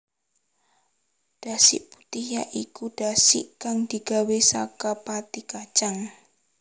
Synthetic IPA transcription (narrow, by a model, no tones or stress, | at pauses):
d̥asɪʔput̪ija̰ʔikud̥asɪ̰ʔkaŋd̪̥i̤ɡ̥awesakapat̪ikḁt͡ʃaŋ